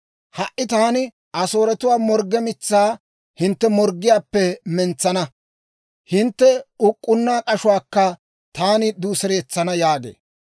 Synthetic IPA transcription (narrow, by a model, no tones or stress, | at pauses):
hɐʔːɪt̪aːnɪ | ʔɐso̞ːɾɛt̪ʊwaːmɔɾɡːɛmɪt͡sːaː | hɪnt̪ːɛmɔɾɡːɪjaːpːɛmɛnt͡sːɐnɐ | hɪnt̪ːɛʊkʼːʊnːaːkʼɐʃʊwaːkːɐ | t̪aːnɪd̪uːsɛɾe̞ːt͡sːɐnɐjaːɡḛː